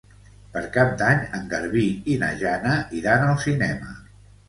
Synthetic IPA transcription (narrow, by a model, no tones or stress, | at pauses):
pəɾkap̚d̪aɲəŋɡəɾβiinə̰ʒanəiðanəlˠsinɛmə